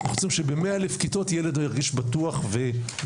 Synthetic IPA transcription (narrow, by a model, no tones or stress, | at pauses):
nχosimʃebemeaelefkito̞tjele̞dojaʁɡiʃbatuaχve